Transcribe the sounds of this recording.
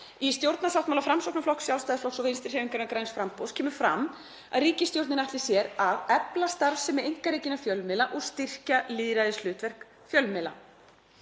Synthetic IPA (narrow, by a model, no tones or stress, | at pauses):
ist̪jowɾt̪nasawt̪malafɾamsɔk̚naflɔhksːjawlst̪ajðɪflɔksɔvejnst̪ɪɾ̥heːmiŋkaɾnakɾajnsfɾamposcʰɛːmʏ̥fɾa̰m | a̰ðriːcɪst̪jowɾt̪ɪnaht̪lɪ̥sjɛɾaðɛplast̪aɾsɛmɛejŋ̥kaɾiːcɪnafjœlmɪːlaʔɔɣst̪ɪr̥caliːðɾajðɪslʏːt̪vɛr̥k | fjœlmɪla̰